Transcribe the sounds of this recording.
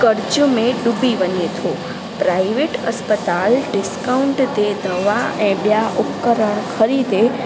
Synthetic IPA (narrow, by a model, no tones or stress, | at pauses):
kəɾd͡ʒəmẽɖubʱiʋənet̪ʰo | pɾaiʋeʈə̰spət̪alɖɪskaʊɳʈt̪ed̪ʱəʋaɛ̃ɓjaʔʊpkəɾəɳ̃kʰəɾid̪e